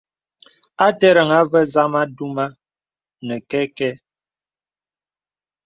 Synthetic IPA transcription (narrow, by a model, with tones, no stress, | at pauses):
a˦tɛ˦ɾə˨ŋa˦və˦za˦ma˦du˦ma˦ | nə˨kɛ˦kɛ˦